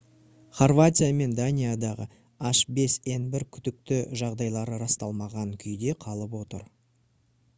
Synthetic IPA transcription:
χorvat̪ʲijame̞nd̪anʲijad̪ɑʁə̰ | ɑʃbe̞se̞nbɪɾkʲʰʏd̪ɪk̚t̪ɪʒɑʁd̪ɑjlˠɑɾəɾɑst̪ɑlˠmɑʁɑŋkʲʰʏjd̪e̞qʰɑlˠəpwo̞t̪ə̰ɾ

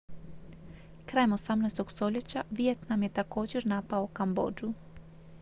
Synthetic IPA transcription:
kɾaːjemo̞samnajst̪oɡst̪o̞ʎe̞t͡ɕaʋijet̪namje̞t̪ako̞ːd͡ʑe̞ɾnapaokambo̞̰ːd͡ʒu

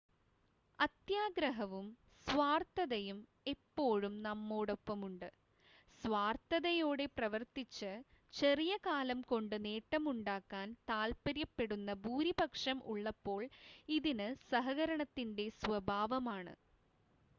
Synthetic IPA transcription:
ɐt̪jaːɡɾɐɦɐʋum | sʋaːrt̪ɐðɐjum | e̞pːo̞ːɻumnɐmːoːɽo̞pːɐmuɳɖɨ | sʋaːrt̪ɐðɐjo̞ːɽe̞prɐʋɐrt̪it͡ɕːɨt͡ɕe̞rijɐkaːlɐmko̞ɳɖɨne̞ːʈːɐmuɳɖaːkːaːnt̪aːlpɐɾjɐpːe̞ɽunːɐbʱuːɾibɐkʂɐmʔṵɭːɐpːo̞ːɭiðinɨsɐɦɐɣɐɾɐɳɐt̪ːinde̞sʋɐbʱaːʋɐmaːɳɨ̰

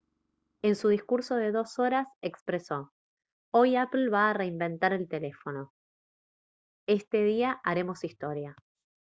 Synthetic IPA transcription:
e̞nsuð̞iskuɾso̞ðe̞ðo̞so̞ɾasekspɾeso̞ | o̞japl̩βaːre̞imbe̞nt̪aɾe̞lt̪e̞le̞fo̞no̞ | e̞st̪e̞ð̞iaʔaɾe̞mo̞sist̪o̞ɾja

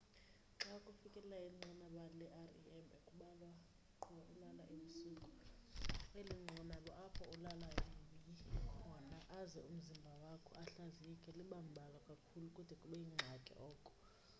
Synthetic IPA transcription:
ǁakʼufikʼɛlɛlaiŋ͡ǀanaɓalɛʔarḭɛmekʼuɓala | aʔulalaʔimisuːkʼɔ | ŋeliŋ͡ǃʱɔnaɓɔʔapʰɔulalaimiwanaʔːzɛum̩zimbʱawakʰɔaɬaziɛkʼɛliɓam̩bʱalwakʼakʰulukʼud̥ʱɛkʼuɓɛjiŋ͡ǁʱakʼɛ̰ʔɔːkʼɔ̥

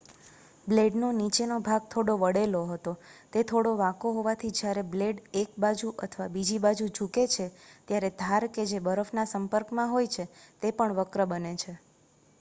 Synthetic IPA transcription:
bleɖnonit͡ʃenobʱaɡ̚t̪ʰoɽoʋəɽeloɦət̪ot̪et̪ʰoɽoʋãkoɦoʋat̪ʰid͡ʒjaɾebleɖek̚bad͡ʒuʔə̰t̪ʰəʋabid͡ʒibad͡ʒud͡ʒuket͡ʃʰet̪jaɾed̪ʱaɾked͡ʒebəɾəfnasəmpəɾkmãɦojt͡ʃʰet̪epəɳʋəkɾəbənet͡ʃʰe

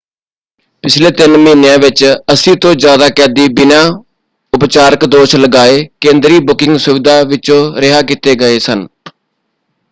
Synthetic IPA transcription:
pɪt͡ʃʰleːt̪ɪnməiːnejãːʋɪt͡ʃəsĩːt̪õːd͡ʒjaːd̪aːkɛːd̪iːbɪnãː | ʊpt͡ʃaːɾəkd̪oːʃləɡaːeːkẽːnd̪ɾiːbʊkɪ̃ŋɡsʊʋɪd̪aːʋɪt͡ʃõːɾɪɦaːkɪt̪eːɡəeːsən

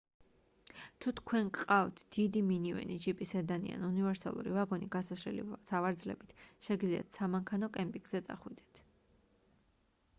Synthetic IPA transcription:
t̪ʰut̪ʰkʰwɛnkʼqʼavt̪ʰd̪̥id̪iminivɛ̰nid͡ʒipʼisɛd̪anḭa̰nunivɛɾsa̰lˠṵɾḭvaɡɔniɡasasɾɛlḭsavaɾd̪zlɛ̰bit̪ʰʃɛɡd̪lzia̰t̪ʰsamaŋkʰanɔkʼɛmpʼiɡz̥ɛt̪sʼa̰χwid̪ɛ̥t̪ʰ

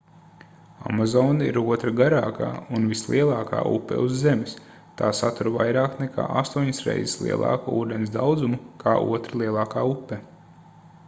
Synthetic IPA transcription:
a̰mazɔːnaiɾuɔt̪ɾaɡaɾaːka̰ːunvislˠiɛlˠɑːka̰ːṵpːɛ̰uzːemɪs | t̪aːsat̪uɾvajɾaːknɛka̰ːʔa̰st̪uɔɲisɾɛ̰jzislˠḭɛlˠʔɑ̰ːkuuːd̪ensd̪awd̪zumukʰaːʔṵɔt̪ɾalˠiɛlˠɑːkaːupːɛ

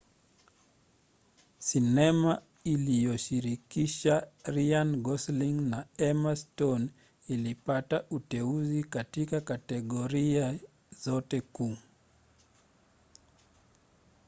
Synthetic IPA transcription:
sinɛma | ilijɔʃiɾikiʃaɾianɡɔsliŋnaɛmastɔn | ilipataʔutɛuzikatikakatɛɠɔɾia | zɔtɛku

